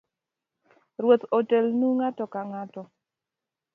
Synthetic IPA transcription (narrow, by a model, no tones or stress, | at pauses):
ɾwot̪ɔtɛlnuŋatɔkaŋatɔ